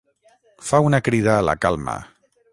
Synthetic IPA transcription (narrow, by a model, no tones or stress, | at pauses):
faunəkɾiðəːlə̰kalˠmə̰